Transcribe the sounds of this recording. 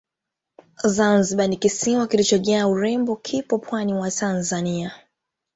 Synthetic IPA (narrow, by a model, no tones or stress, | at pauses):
zanziɓanikisiwakilit͡ʃɔʄaauɾɛmbɔkʰipɔpʰwaniwatʰanzania